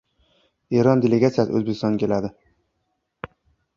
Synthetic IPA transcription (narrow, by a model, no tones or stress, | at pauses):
eɾɒnd̪eleɡat̪sijasɪ̰ɵzbekʲɪst̪ɒnkʲe̞lad̪ɪ